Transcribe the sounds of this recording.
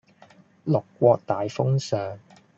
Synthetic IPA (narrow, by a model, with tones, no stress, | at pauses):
lʊ˨kːʷɔː˧k̚t̪aː˨jfʊ˥ŋsœː˨˩ŋ